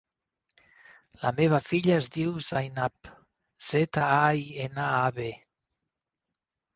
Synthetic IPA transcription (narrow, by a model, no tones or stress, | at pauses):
la̰meβ̞afiʎaezd̪iwzajnap | z̥et̪aaienaaβe